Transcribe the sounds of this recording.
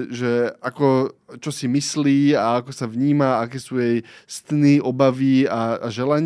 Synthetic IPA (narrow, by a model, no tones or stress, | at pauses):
ʒɛakɔt͡ʃɔsimisliːaakɔsaʋɲiːmaakɛːsuːjɛjst̪niʔɔbaʋiaa̰ʒɛlaɲ